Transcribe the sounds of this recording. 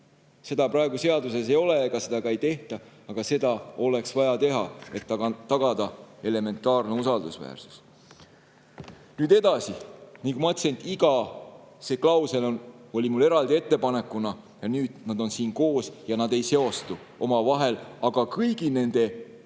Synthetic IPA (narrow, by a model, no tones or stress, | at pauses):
se̞d̪̥ɑpɾɑeɡ̥use̞ɑd̪uses̬ejo̞lekɑse̞d̪̥ɑkɑjt̪e̞ht̪ɑɑɡ̥ɑse̞d̪ɑo̞le̞ksvɑjɑt̪e̞ɦɑe̞t̪ːɑɑt̪ɑɡ̥ɑd̪̥ɑe̞le̞me̞nt̪ːˑɑːrne̞usɑld̪usvæ̰ːrsu̥s | nyːd̪e̞d̪ɑsinikumɑt̪se̞nt̪ːˑiɡɑse̞klɑwse̞lo̞no̞lʲimulːe̞ɾɑld̪ie̞t̪ːe̞pɑne̞kːˑunɑ | jɑnyːd̪̥nɑd̪̥o̞nsiːnko̞ːsjɑnɑd̪e̞jse̞o̞st̪u | ʔo̞mɑvɑɦe̞lɑɡ̥ɑkɯjɡ̥ine̞nd̪̥e̞